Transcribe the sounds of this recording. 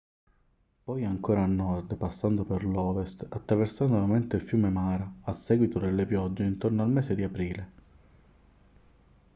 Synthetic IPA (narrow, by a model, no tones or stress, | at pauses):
pɔjaŋkoːɾaːnːɔrd̪pasːand̪operlɔːvest̪at̪ːɾaversand̪olament̪eilfjuːmemaːɾaasːɛːɡwit̪od̪elːepjɔd͡ʒːeint̪ornoalmɛːsed̪iapɾiːle